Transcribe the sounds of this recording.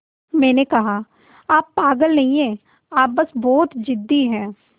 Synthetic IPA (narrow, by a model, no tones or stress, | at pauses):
mɛ̃ːnekɐɦaː | aːpːaːɡəlnɐɦĩẽː | aːp̚bəsbɔːt̪d͡ʒɪd̪ːiɦɛ̃ː